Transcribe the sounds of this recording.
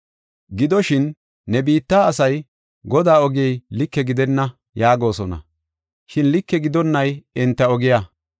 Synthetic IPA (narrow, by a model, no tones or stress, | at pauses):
ɡɪd̪ɔʃɪnː | ɛbiːt̪ːaːɐsɐj | ɡɔd̪aːɔɡɪɛjlɪkːɛɡɪd̪ɛnːɐ | jaːɡo̞ːsɔnɐ̰ | ʃɪnlɪkːɛɡɪd̪ɔnːɐjɪnt̪ːɐɔɡɪja